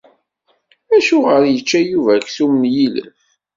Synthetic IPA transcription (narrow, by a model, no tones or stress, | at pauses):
æʃuʁəɾjət͡ʃːæjuvækθumənjilə̰f